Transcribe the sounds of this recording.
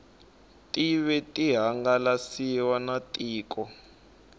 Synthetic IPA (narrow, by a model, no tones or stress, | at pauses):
tʼiβɛtʼiɦaŋɡalasiwanatʼiːkʼɔ